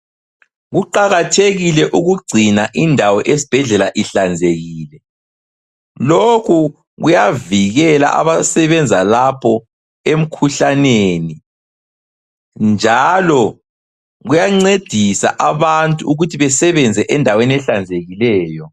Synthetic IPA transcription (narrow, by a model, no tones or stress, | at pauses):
ɣuǃaɣatʰeɣilɛʔuɣuɡ͡ǀʱinaʔindʱawɔʔesi̥b̥ʱɛɮɛlaʔiɬand͡zʱeɣiːlɛ | lokʰu | ɣujaviɣɛla̰ʔa̰βasɛβɛnd͡zʱalapʰɔ | em̩kʰuɬaneni | nd͡ʒʱalɔ | ɣujaŋ͡ǀed̥ʱisa̰ʔaβantʼuuɣutʰiβɛsɛβɛnd͡zʱɛʔɛndʱaweniɛɬand͡zʱeɣilɛːjɔ